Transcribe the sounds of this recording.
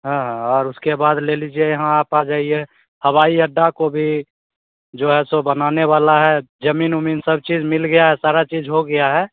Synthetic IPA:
ɦãːɦãɔːɾʊskebaːd̪lelid͡ʒiejɐɦãaːpad͡ʒaːɦie | həwaːiəɖːakobʱi | d͡ʒoːɦɛsobənaːneʋaːlaɦɛd͡ʒəmiːnʊmiːnsəb̚t͡ʃiːd͡ʒmɪlɡəjaɦɛsaːɾat͡ʃiːd͡ʒɦoɡəjaɦɛː

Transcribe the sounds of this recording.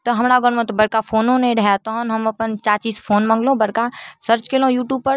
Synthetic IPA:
t̪oɦɐmɾaɡəɽmõt̪obɐɽkafʰoːnõnẽɖʱajat̪oɦənɦɐmɐpənt͡ʃaːt͡ʃiːsfʰoːnmɐ̃ŋɡlõːbɐɽkasəɾt͡ʃkeːlõjuːʈjuːb̚pəɾ

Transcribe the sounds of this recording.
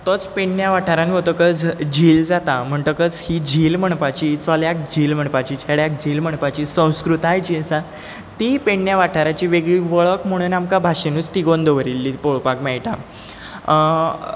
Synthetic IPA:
t̪ɔt͡speɳːjaʋaʈʰaɾãnɦot̪əkəd͡zd͡ʑʱiːld͡zat̪am̤əɳʈ̪əkət͡shid͡ʑʱiːlm̤əɳpat͡ɕit͡sɔljak̚d͡ʑʱiːlm̤əɳpat͡ɕiːt͡ɕʰɛɽjak̚d͡ʑʱiːlm̤əɳpat͡ɕiːsə̃w̃skɾut̪ajt͡ɕiəsã | t̪ipeɳːjaʋaʈʰaɾat͡ɕiːʋeɡɭiːʋəɭəkm̤əɽ̃uːnamkabʱaɕenuːt͡st̪iɡond̪ʱoʋəɾilːiːpoɭpakmɛɭʈa̰

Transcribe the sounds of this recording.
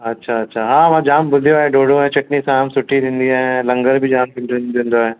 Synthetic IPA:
ɐtːʃʰaɐtːʃʰaɦãːʋãd͡ʒaːmbʊlʱijoaːɦeɖoːɽõɦɛ̃t͡ʃɐʈnisãɦamsʊʈʰːid̪ɪ̃nd̪iaːɦɛ̃lɐ̃ŋɡəɾbʱid͡ʒaːmkɪnd̪ond̪õːnd̪oɦɛː

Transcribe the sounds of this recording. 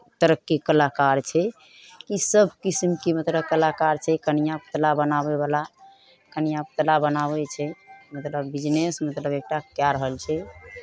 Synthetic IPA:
t̪əɾəkːekəlakaɾt͡ʃʰɛ | kisəbʱkisimkimət̪ləbkəlakaɾt͡ʃʰɛkənijapət̪labənabebala | kənijap̚t̪labənaβɛt͡ʃʰɛmət̪ləbːid͡ʒnesmət̪ləbek̚ʈakjaɾəɦəlt͡ʃʰɛ

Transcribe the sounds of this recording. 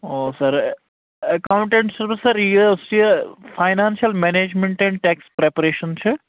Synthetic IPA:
oːsɐɾ | ɐkaʊ̃ɳʈẽɳʈsɐɾʋɪsːɐɾiʊsʈijəfʰajnaːnʃijɐlmeneːd͡ʒmẽɳʈɛ̃ɳɖʈɛːkspɾeːpɐɾeːʃənt͡ʃʰɨ

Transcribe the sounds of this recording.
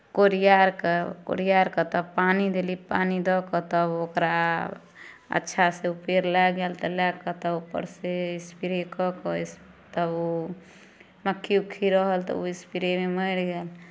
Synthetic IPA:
koɾijaɾkeko̰ɾijaɾkət̪əbpanid̪elipanid̪ɔkɔt̪əbokɾa | ə̰tːʃʰaseupeɾlɛɡelt̪ɔlɛkət̪ɔupːə̰ɾseispiɾekɔkɔis | t̪əbo | məkʰːiukʰːiɾəɦəlt̪ɔ̰oispiɾememəɪɽɡel

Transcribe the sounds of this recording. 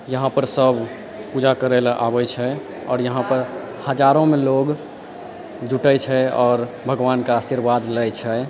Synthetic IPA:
jəɦãpəɾsəbʱ | pud͡ʒakəɾelaʔa̰bɛt͡ʃʰɛ | ɔːɾjəɦãpəɾ | həd͡ʒaɾõmeloɡ | d͡ʒʱuʈət͡ʃʰɛɔːɾ | bʱəɡʋankaaːsiɾbad̪lɛjt͡ʃʰɛ

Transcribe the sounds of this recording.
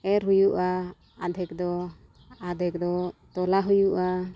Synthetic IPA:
ɛɾujuʔa | ad̪ʱɛk̚d̪ɔ | ad̪ʱɛk̚d̪ɔt̪ɔlaɦujuʔa

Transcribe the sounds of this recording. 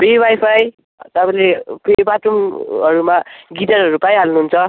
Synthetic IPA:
pebajpʰaj | t̪ʌpãĩlepebaʈumɦʌɾumaɡitaɾɦʌɾupajɦalnuɦunt͡sʰʌ

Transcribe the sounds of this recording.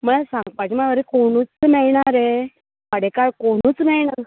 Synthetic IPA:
m̤əɭasãŋɡpat͡ɕimaaʋəɾekoɽ̃uːt͡smɛɭɳaɾe | pəɽekaɭkoɽ̃uːt͡smɛɭɳa

